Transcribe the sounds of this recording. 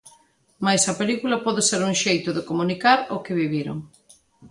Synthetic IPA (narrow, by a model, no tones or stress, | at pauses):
majsɐpelikulapɔðeseɾuŋʃejt̪ʊðekomunikaɾokɪβiβiɾo̰ŋ